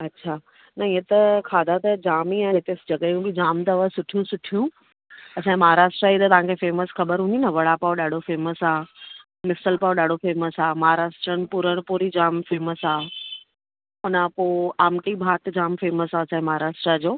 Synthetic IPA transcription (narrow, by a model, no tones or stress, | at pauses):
ɐtːɕʰaː | nɐiɦẽt̪ɐkʰaːd̪ʱat̪ɐd͡ʑaːmiãɦɪt̪eːsd͡ʑɐɠəjũbid͡ʑaːmt̪ɐʋəsʊʈʰijũsʊʈʰijũ | ɐt͡ɕʰãːmɐɦaːɾaːʃʈɾait̪ɐt̪ɐʋãŋkʰefeːməsxɐbəɾɦũnd̪inɐʋɐɽapaoɗaːɖʱofeːməsaː | mɪsəlpaoɗaːɖʱofeːməsaːmɐɦaːɾaːʃʈɾəɽ̃̆pʊɾəɽ̃puɾid͡ʑaːmfeːməsaː | ʊnapoːaːmʈibʱaːt̪d͡ʑaːmfeːməsaːɐt͡ɕʰãːẽmɐɦaːɾaːʃʈɾad͡ʑoː